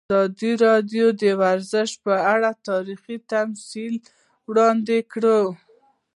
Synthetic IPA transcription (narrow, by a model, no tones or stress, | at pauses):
ɑd̪iɾɑd̪jod̪əwaɾzəʃ̚pəaɽat̪ɑɾixit̪amsil | wɽɑnd̪ekɽə